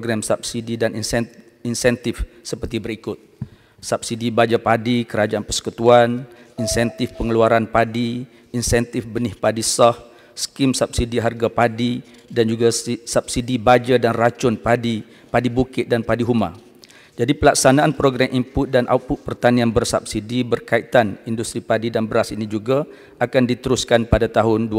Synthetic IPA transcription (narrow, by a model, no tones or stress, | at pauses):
ɡɾamsap̚sididanin | insɛnt̪ɪfsəpərt̪ibəɾikʊt̪̚ | sap̚sidibad͡ʒapadikəɾad͡ʒaʔanpəsə̥kut̪uaninsɛnt̪ɪfpəŋəluaɾanpadiː | nsɛnt̪ɪfbənɪhpadisɔh | sə̥kimsap̚sidiɦarɡapadi | dand͡ʒuɡasap̚sidibad͡ʒadanrat͡ʃʊnpadi | padibukɪt̪̚danpadiɦumã̰ | d͡ʒadipəlak̚sanaːnpəɾoɡɾamʔimpʊt̪̚danʔa̰pʊt̪̚pərt̪anĩanbərsap̚sidibərkait̪anindust̪ɾipadidanbəɾasinid͡ʒuɡa | akandit̪əɾuskanpadat̪aɦʊndu